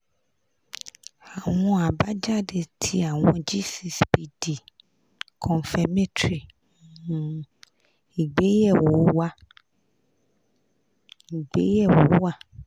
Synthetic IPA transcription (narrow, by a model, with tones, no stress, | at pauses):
a˨w̃ɔ̃˧a˨ba˦d͡ʒa˦˨de˧tʰi˧a˨w̃ɔ̃˧d͡ʒi˦si˨sbi˨di˨ | kʰɔ̃˨n˨fɛ˨me˦tɾi˨˦ | i˨ɡ͡be˦jɛ˦˨wo˨˦wa˦ | i˨ɡ͡be˨˦jɛ˦˨wo˨˦wa˦˨